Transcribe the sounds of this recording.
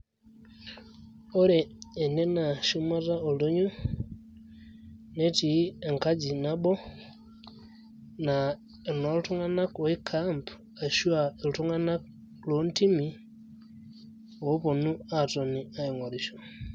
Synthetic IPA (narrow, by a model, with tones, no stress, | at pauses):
o˦leː˨ne˦na˨ʃu˦ma˦ɾa˦o˨lo˦ɲu˦ | ne˦ti˨˦e˨ŋka˦d͡ʒi˨na˦bo˦ | na | no˦lu˦tu˦ŋa˦na˦kwe˦kʰampʰ | a˨ʃu˦ae˨lu˨tu˦ŋa˦na˦k | lo˦n˦ti˦mi | o˦βo˨nu˦ato˨ni˨a˦i˨ŋwa˨ɾiʃo˨